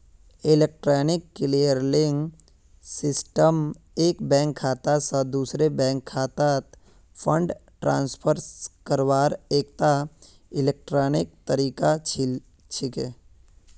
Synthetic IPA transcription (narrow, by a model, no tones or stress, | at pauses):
ɪlek̚ʈɾaːnɪkːɪlijəɾlɪ̃ŋɡ | sɪsʈəm | eːkbɛ̃ːŋkʰːaːt̪asəd̪uːsɾebɛ̃ːŋkʰːaːt̪at̪ | pʰə̃ɳɖ | ʈɾãːnspʰəɾskəɾwaːɾeːk̚t̪a | ɪlek̚ʈɾaːnɪk̚t̪əɾiːka | t͡ʃʰɪke